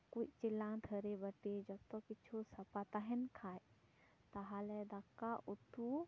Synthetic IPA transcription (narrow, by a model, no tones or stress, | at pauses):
kuʔt͡ʃilːãd̪ʰʱəɾebəʈid͡ʒɔb̚t̪ɔkit͡ʃʰusɐpat̪aɦɛnkʰaːj | t̪aɦalɛd̪akːaʔut̪u